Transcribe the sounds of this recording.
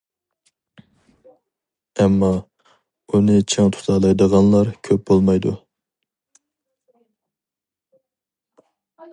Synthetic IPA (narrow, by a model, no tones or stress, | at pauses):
ɛmːɑ | unɨt͡ʃʰeŋt̪ʰu̥t̪ʰɑlˠɑjd̪əʁɑnlˠɑɾkʲʰøp̚bolˠmɑjd̪u